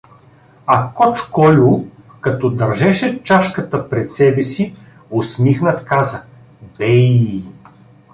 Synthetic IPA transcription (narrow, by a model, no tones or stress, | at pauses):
ɐkɔt͡ʃkɔlʲʊ | kɐt̪ɔd̪ɐɾʒɛʃɛt͡ʃaʃkət̪əpɾɛt̪sɛbɛsi | osmixnɐt̪kazə | bɛ